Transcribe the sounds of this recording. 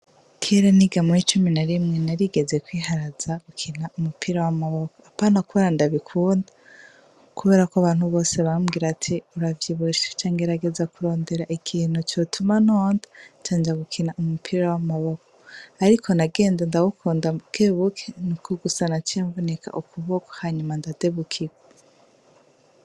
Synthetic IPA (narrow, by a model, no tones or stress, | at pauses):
kʰeɾeniɡamoit͡ʃuminaɾimŋe̞naɾiɡe̞ze̞kwiːɦaɾazaɡukʰinaumupʰiɾawamaβokoapaːnakuβeɾandaβikʰuːnda | kuβe̞ɾakoaβaːn̥huβo̞ːseβamɡiːɾatʰiuɾavjiβuiʃḁt͡ʃaːŋɡeɾaɡe̞zakuɾo̞ːnde̞ɾaʔikʰiːn̥hut͡ʃotʰumanoːndḁt͡ʃaːnd͡ʒaɡukʰinaʔumupʰiɾawamaβoko̥aɾikʰo̞naɡe̞ːndendaɡukʰuːndakeβukʰenukoɡusanat͡ʃiaɱvoneka̰ʔukuβoko̥haɲumandade̞βukʰiɡa